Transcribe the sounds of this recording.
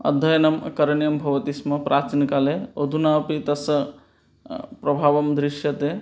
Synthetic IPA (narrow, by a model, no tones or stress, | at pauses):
ɐ̰d̪ʱːɐjɐnɐmkɐɾɐɳjɐmbʱɐʋɐt̪ismɐpɾʔaːt͡ʃinkaːleod̪ʱunaːpit̪ɐs | pɾɐbʱaːʋɐmd̪ɾiʃjɐt̪e